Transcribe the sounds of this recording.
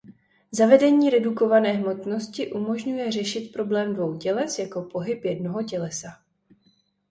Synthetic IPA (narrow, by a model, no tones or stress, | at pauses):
zavɛdɛɲiːɾɛduko̞vanɛːɦmo̞t̪no̞scɪʔumo̞ʒɲujɛr̝ɛʃɪt̪pɾo̞blɛːmdvo̞wcɛlɛsjako̞po̞ɦɪpjɛdno̞ɦo̞cɛlɛsa